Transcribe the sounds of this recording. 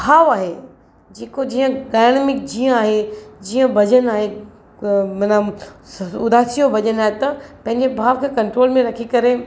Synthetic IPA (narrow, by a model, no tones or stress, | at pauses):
bʱaːʋaːɦe | d͡ʑeːkod͡ʑiːə̃ɗaːɪɽ̃mɪk̚d͡ʑiə̃aːɦed͡ʑiːə̃bʱɐd͡ʑənaːɦe | mɐna | ʊd̪aːsijobʱɐʄənaːɦet̪ɐpɐ̃ɦɪ̃ɲd͡ʑebʱaːʋkʰeːkɐ̃ɳʈɾoːlmẽɾɐkʰikɐɾe